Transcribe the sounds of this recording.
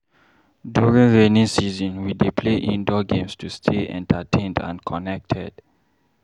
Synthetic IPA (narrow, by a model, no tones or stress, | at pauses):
djuɹĩŋɹẽnĩŋsizɔ̃nwidipʰleʔĩndɔɡẽmstʰustʰeʔɛ̰̃ntʰatʰẽndã̰nkʰɔnɛk̚tʰɛ̰d̥